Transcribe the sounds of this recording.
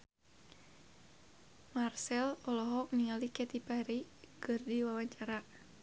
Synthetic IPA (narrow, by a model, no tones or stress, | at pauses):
marsɛlɔlɔɦɔk̚niŋalikɛt̪ipaɾikɨrdiwawaɲt͡ʃaɾa